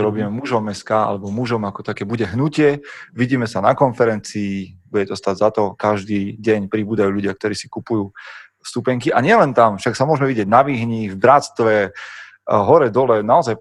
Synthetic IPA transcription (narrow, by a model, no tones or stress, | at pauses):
ɾɔbiːmɛmuʒɔmːɛskaːa̰lɛbɔmuʒɔmakɔ̥t̪akɛːbuɟɛɦnucɪɛʋiɟiːmɛsanakɔnfɛɾɛnt͡siːbuɟɛt̪ɔst̪aɟzat̪ɔkaʒd̪iːɟɛɲpɾibuːd̪ajuːʎuɟɪakt̪ɔɾiːsi̥kupujuː | st̪upɛŋkiʔaɲɪɛlɛnt̪amfʃaksamʊɔʒmɛʋiɟɪɛɟ̚naʋiɦɲivbɾat̪t͡st̪ʋɛ | ɦɔɾɛd̪ɔlɛnaɔzaj